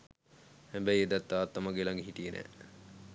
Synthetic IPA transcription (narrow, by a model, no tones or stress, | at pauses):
hɛmbæjed̪æt̪ːaːt̪ːamaɡelaŋɡeɦiʈijenʔæ̰ː